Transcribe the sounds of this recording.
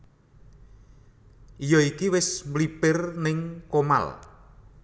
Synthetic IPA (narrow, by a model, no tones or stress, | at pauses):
ʔijɔikiwɪsmlipɪrnɪŋkoma̰l